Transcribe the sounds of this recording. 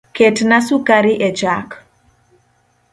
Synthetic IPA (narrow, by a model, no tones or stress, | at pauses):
ketnasukaɾiʔɛd͡ʒak